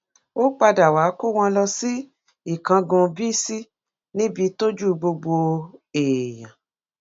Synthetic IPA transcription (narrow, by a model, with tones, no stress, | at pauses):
o˦k͡pa˧da˨wa˨˦ko˦˨w̃ɔ̃˧lɔ˧si˦ | i˦˨kã˧ɡũ˧bi˦si˦ | nĩ˦bi˧˦to˦d͡ʒu˦˧ɡ͡bo˧ɡ͡bo˧e˨jã˨